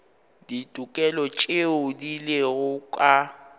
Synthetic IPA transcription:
ditʼukʼɛlɔt͡ʃʼeʊdileɣʊkʼa

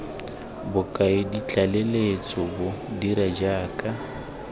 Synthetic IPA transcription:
bʊkʼaɪdit͡ɬʼalelet͡sʼɔbʊdiɾad͡ʒaːkʼa

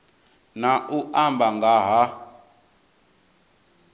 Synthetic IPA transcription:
naʔuʔambʱaŋɡaɦa

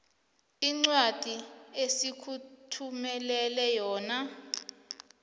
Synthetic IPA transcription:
iŋ͡ǀwad̥ʱiesikʰutʰumɛlɛlɛjɔːna

